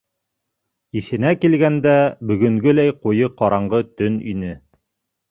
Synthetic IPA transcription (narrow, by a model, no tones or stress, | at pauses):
iʃɘ̆nækilɡænd̪æbɵ̆ɡɵ̆ŋɡɵlæjqujɤqɑɾɑɴɢɤt̪ɵnḭnɘ